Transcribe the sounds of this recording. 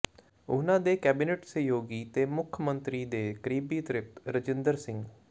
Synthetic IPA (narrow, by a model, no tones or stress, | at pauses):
ʊnãːd̪eːkɛːbineːʈsəjoːɡiːt̪eːmʊkʰːmənt̪ɾiːd̪eːkəɾiːbiːt̪ɾɪp̚t̪ɾəd͡ʒɪnd̪əɾsɪ̃ŋɡ